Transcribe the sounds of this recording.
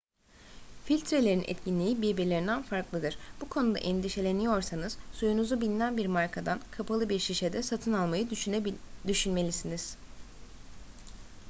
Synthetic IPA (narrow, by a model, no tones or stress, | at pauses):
filʲt̪ʰɾe̞lʲe̞ɾinɛ̰t̪cʰinlʲiibiɾbiɾlʲeind̪ænfaɾklˠɯd̪ɯɾ̥bukʰo̞nud̪a̰ʔɛnd̪iʃe̞lʲe̞nijo̞ɾsanɯz̥sujunuzubinʲinænbiɾmaɾkʰad̪ankʰapʰalˠɯbiɾʃiʃed̪ɛsat̪ʰɯnalˠmajɯ | d̪yʃynme̞lʲisiniz̥